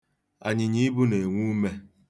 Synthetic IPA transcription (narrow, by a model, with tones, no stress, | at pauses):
a̰˨ɲɪ˨ɲi˦bu˦ne˨ŋʷu˦me˦